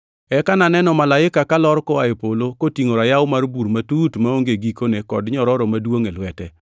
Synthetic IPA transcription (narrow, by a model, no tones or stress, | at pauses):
ɛkananɛnɔmalaɪkakalɔɾkɔaepolokotiŋoɾajawʊmarbuɾmatutmaoŋɡeɡikonekɔdɲɔɾɔɾɔmadwoŋelwɛtɛ